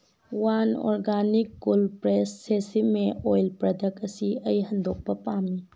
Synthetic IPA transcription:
wanɔ̰ɾɡanikːulpɾesːesimeojlpɾɐdʱɐkɐsiɐjɦɐnd̪ok̚pɐpami

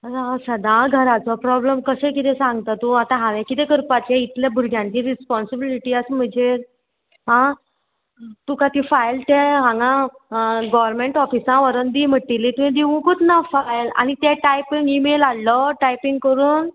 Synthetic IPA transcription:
sasad̪ʱãɡʱəɾat͡sɔpɾɔbləmkəsekit̪ẽsãŋɡt̪at̪ũat̪ãɦãʋẽkit̪ẽkəɾpat͡ɕeit̪ljabʱuɾɡjãɲt͡ɕiɾispɔnsibiliʈiasm̤əɳd͡ʑe | ɦã | t̪ukat̪ifajlt̪eɦãŋɡã | ɡɔʋəɾmeɳʈɔfisãʋəɾənd̪im̤əʈ̚ːilit̪uĩd̪iʋũkut̪nafajla̰ñit̪eʈajpĩŋɡimelalːɔʈajpĩŋɡ̚kəɾuːn

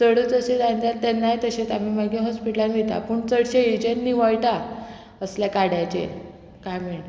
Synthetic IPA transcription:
səɽət͡səɕed̪and̪at̪ːɛnːajt̪əɕet̪amiːməɡeɦɔspiʈlanɡ̪et̪a̰pəːɳt͡səɽɕeid͡ʑenːiːʋajiʈa | əsljakaɽjat͡ɕḛ | kajmeɭ

